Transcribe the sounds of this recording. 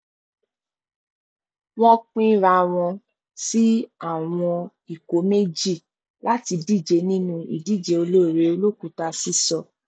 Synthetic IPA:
wɔ̃˦k͡pĩ˦ɾa˧w̃ɔ̃˧ | si˦a˦˨w̃ɔ̃˧ | i˨ko˨˦me˦d͡ʒi˦˨ | la˦ti˧di˦˨d͡ʒe˨˧nĩ˦nũ˧ḭ˨di˦˨d͡ʒe˧o˧lo˦˨ɾe˨˦o˧lo˦ku˨˦ta˧si˦sɔ˧˨

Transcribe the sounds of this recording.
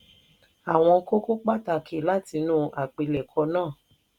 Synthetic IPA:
a˨w̃ɔ̃˧ko˦ko˦k͡pa˦˨ta˧ke˨la˦ti˧˦nũː˦ʔa˨k͡pe˧lɛ˨kʰɔ˧˦nãː˦˨

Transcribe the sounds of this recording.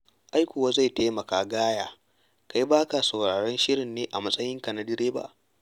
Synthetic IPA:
ʔa˦jkʷoː˨wa˦za˦˨jta˦mɐ˨kaː˨ɡaː˦jaː˨ | ka˦jbaː˦ka˨sa˨wɽaː˨ɽɛ˦nʃɪ˦ɽɪ˨nːeː˦ʔa˨mɐ˦sʼɐ˦jɪ˦ŋka˨na˦dɪ˦ɾeː˦ba̰ː˨ʔ

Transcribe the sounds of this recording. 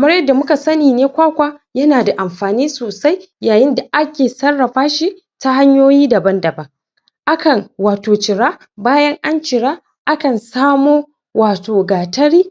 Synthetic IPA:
ka˨mɐ˦rjɐ˦dːa˨mʊ˦ka˨sɐ˦niː˨neː˦kʷaː˦kʷaː˦jɐ˦naː˨da˨ʔa˨mɸaː˨niː˦soː˨sa˦j | jaː˨jɪ˦nda˨ʔa˦kʲeː˨sɐ˦rːɐ˨ɸaː˦ʃi˦ | ta˦ha˦ɲjoː˦jiː˦dɐ˨bɐ˦ndɐ˨bɐ˦ŋ | ʔa˦kɐ˨ŋwaː˨toː˨t͡ʃɪ˨ɽaː˦ | baː˦jɐ˦ŋʔa˦nt͡ʃɪ˨ɽaː˦ | ʔa˦kɐ˨nsaː˦moː˦ | waː˨toː˨ɡaː˨tɐ˦ɾiː˦

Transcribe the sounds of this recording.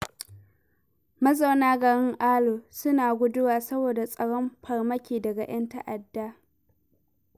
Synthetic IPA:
mɐ˦zɐ˨wnaː˦ɡɐ˨ɽɪ˦ŋʔaː˦loː˨sʊ˦naː˨ɡʷʊ˦dʊ˦waː˨sɐ˦boː˨da˨sʼɐ˨ɽɔ˦mɸʰɐ˨rmɐ˦kʲiː˨dɐ˨ɡa˨j̰ɐ˦nta˦ʔa˨dːaː˦

